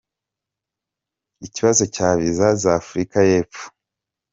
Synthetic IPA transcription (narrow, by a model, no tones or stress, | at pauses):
iciβazo̞caːβizazafuɾikaje̞ːpp͡fu̥